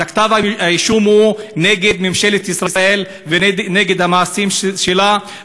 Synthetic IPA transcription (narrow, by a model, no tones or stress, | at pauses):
akt̪avaajiʃumhuneɡed̪memʃe̞let̪isʁasael | veneɡe̞d̪hamaːsimʃela